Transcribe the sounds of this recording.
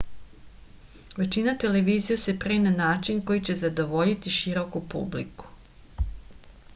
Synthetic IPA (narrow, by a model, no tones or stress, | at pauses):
ʋe̞t͡ʃinat̪e̞leʋiːzijase̞pɾemnanaːt͡ʃinko̞jit͡ɕe̞zad̪oʋo̞ʎit̪iʃiɾo̞kupṵblḭku̥